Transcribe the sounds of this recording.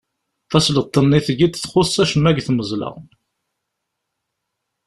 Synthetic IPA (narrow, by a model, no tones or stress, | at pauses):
θæslət̪ˤːənːiθəʝit̪ːθχʊsːæʃəmːæɡθməzˤlə̰ʁ